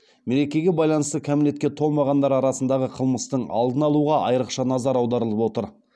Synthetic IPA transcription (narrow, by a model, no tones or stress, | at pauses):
me̞ɾe̞kʲe̞ɡʲe̞bɑjlˠɑnəst̪əkʲʰæmle̞t̪kʲe̞t̪ʰo̞lˠmɑʁɑnd̪ɑɾɑɾɑsənd̪ɑʁəqʰəlˠməst̪əɴɑ̰lˠd̪ənɑlˠuʁɑʔɑjəɾəqʃɑnɑzɑɾɑwd̪ɑɾəlˠəpwot̪əɾ